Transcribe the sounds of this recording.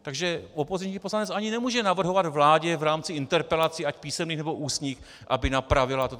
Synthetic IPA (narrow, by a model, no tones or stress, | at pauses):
t̪aɡʒɛopozɪɲɲiːpo̞slanɛt͡sʔaɲɪnɛmuːʒɛnavr̩ɦovad̪vlaːɟɛvɾaːmt͡sɪɪnt̪ɛɾpɛlat͡siacpiːsɛmniːxnɛbo̞ʔuːsɲiːx | ʔa̰bɪnapɾavɪlat̪o